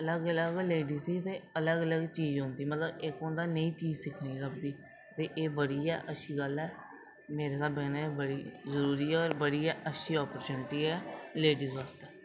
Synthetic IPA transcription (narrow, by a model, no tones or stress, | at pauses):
ələɡələɡleːɖiːsiːt̪eːələɡələɡt͡ʃiːd͡ʒɦõːnd̪iːmət̪ləbekõːnd̪aːnəĩːt͡ʃiːd͡ʒsɪkʰniːɾəp̚ʰd̪iː | t̪eːʔeːbəɽiːɛːʔəʃʰiːɡəlɛː | meːɾeːsaːbeːneːbəɽiːzəɾuːɾiːɛːɔːɾbəɽiːɛːʔəʃʰiːɔːpəɾt͡ʃuːnɪʈiːɛːleːɖiːzʋaːst̪eː